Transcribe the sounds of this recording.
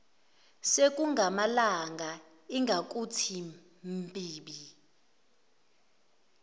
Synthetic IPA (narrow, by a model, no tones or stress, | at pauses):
sek̬ʼuŋɡʱamalaŋɡʱa | iŋɡʱak̬ʼutʰi | mpʼiːɓi